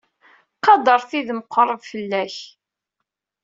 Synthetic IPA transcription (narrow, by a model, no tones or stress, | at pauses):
qɑd̪ˤəɾˤθiðməqːɾˤəvfəlːæç